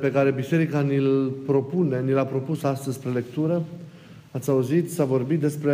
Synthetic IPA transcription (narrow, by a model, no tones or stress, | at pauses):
pe̞kaɾe̞bise̞ɾikanilpɾo̞pune̞nilapɾo̞pusast̪əzʲspɾe̞le̞kt̪uɾə | at̪sʲauzit̪savo̞rbit̪̚d̪e̞spɾe